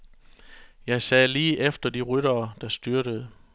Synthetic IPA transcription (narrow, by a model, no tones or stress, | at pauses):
jɑ̈ɪsɛːliːʔefd̥ɐd̥iʁyɾɐːd̥ɑ̈sd̥yɐɾ̥əð̩ˠ